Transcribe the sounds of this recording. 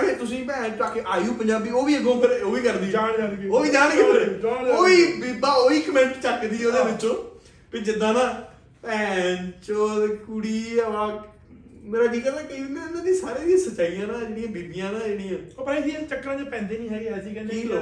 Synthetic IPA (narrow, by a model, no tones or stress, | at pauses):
ɽeːt̪ʊsĩːpɛ̃ːnt͡ʃaːkeːʔaːiũːpəɲd͡ʒaːbiːoːʋiːəɡõːpʰɪɾoːʋiːkəɾd̪iːaːɽd͡ʒaːoːʋiːd͡ʒãːnːkəd͡ʒaːoːʋiːbibaːoːiːkəmɛ̃ɳʈt͡ʃəkd̪iːoːd̪eːbɪt͡ʃːõː | pɪd͡ʒɪd̪ːãːnãː | pɛ̃ːnt͡ʃod̪kuɽiːəʋãː | meːɾãːkiːkəːnaːkəiːɪnẽmẽːd̪ĩːsaːɾẽːd̪iãːsət͡ʃaːijãːnaːd͡ʒeːɽĩːãːbeːbijãːnaːeːɽiːãːopəɾeːd̪ĩːãt͡ʃəkːɾãːd͡ʒepɛ̃ːnd̪eːnĩːɦaːiɛsikɛ̃niː